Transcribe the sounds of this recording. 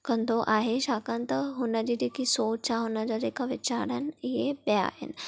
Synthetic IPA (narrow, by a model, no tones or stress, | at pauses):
kɐ̃nd̪ʱoʔaːɦeʃaːkə̃nɪ̆t̪ɐɦʊnəd͡ʑiːd͡ʑeːkisoːt͡ɕaɦʊnəd͡ʑad͡ʑeːkʰaʋɪt͡ɕaːɾənɪ̆ɪɦebja̰ːɦɪ̰nɪ̆